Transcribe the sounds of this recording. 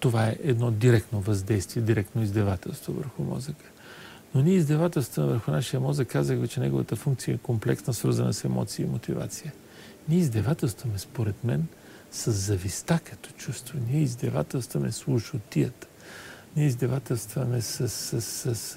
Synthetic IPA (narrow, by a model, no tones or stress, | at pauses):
t̪ovaɛʔɛd̪nɔd̪iɾɛk̚t̪novɐzd̪ɛjst̪viɛd̪iɾɛk̚t̪noizd̪ɛvat̪ɛ̰lˠst̪vo̰və̰ɾxumɔ̰zəkə̥ | noniɛizd̪ɛvat̪ɛlˠst̪vəmɛvəɾxʊnaʃijəmɔzəkːazəxvɛt͡ʃɛnɛɡovət̪əfuŋkt̪sijəɛkomplɛksnəsvəɾzənə̰sɛmɔ̰t̪siəimot̪iva̰t̪sijə | niɛizd̪ɛvat̪ɛlˠst̪vɐmɛspoɾɛt̪mɛn | sɐzːɐvist̪akɐt̪ɔ̥t͡ʃust̪vɐniɛizd̪ɛva̰t̪ɛlˠst̪vəmɛslˠuʃʊt̪ijət̪ | niɛizd̪ɛvat̪ɛlˠst̪vɐmɛsəsəsəs